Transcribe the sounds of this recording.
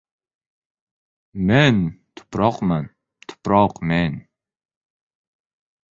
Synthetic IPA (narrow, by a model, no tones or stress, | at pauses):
mɛnt̪ʰʊ̥pɾɑqmɛn | t̪ʰʊ̥pɾɑqmɛn